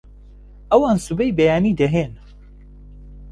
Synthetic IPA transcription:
ʔɐwaːnsubɛjbɐjaːniːd̪ɐɦeːn

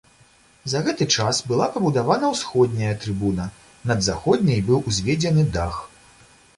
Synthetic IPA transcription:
zɐɣɛt̪ɨt͡ʂasbɨlˠapɐbud̪avanɐwsxɔd̪̚ʲnʲɐjɐt̪ɾɨbunɐ | nɐd̪zaxɔd̪̚ʲnʲɐjbɨwuzʲvʲed͡zʲɛnɨd̪a̰x

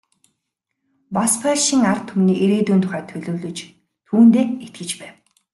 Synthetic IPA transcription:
paspʰaɮʃiːŋart̪ʰːʊmniːʔeɾeːt̪uːnt̪ʰʊ̥χæːt̪ʰɵɮɵ̆ːɮɵ̆t͡ɕ | t̪ʰuːnt̪eːet̪̚ɡɘ̆t͡ɕpæːw

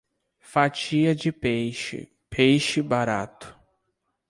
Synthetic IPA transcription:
fat͡ʃiɐd͡ʒɪpejʃɪ̰ | pʰejʃɪbaɾat̪ʊ̥

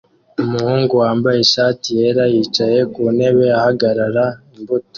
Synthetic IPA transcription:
umuhuːŋɡuwaːmbaje̞ʃaːtije̞ɾajiːt͡ʃaje̞kune̞βe̞ahaɡaɾaɾaimbuto̥

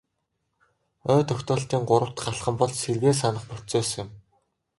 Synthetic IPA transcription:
œːt̪œxʲt̪ɔːɬt̪iːŋɢʊɾə̆wʰt̪χaɬχə̆mpɔɮt͡ɕserɣeːs̬anə̆χput͡seːs̆ɪ̆m

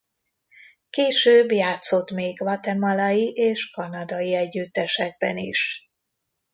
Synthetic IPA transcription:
keːʃøːbjaːt̪so̞t̪meːɡvɒt̪ɛmɒlɒjiʔeːʃkɒnɒd̪ɒjiɛɟːyt̪ːɛʃɛɡ̚bɛ̰nḭʃ

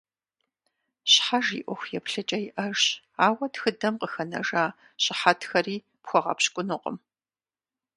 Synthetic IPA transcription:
ɕħaʒḭːʔʷɔxʷjɛpɬɐt͡ʃʼɐjɪʔɐrɕ | aːwɐtxɨdɐmqəxɐnɐ̰ʒaː | ɕʼɪħatʰxɐriː | pxʷɔʁɐ̰pɕkʷʼʊnɨqʼə̰m

